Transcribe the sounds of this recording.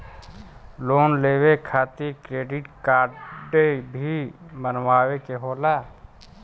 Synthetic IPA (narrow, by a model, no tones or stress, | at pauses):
loːnleːwekʰaːt̪ikɾeːɖɪʈkaːɖebʱimənwaːwekeɦoːlaː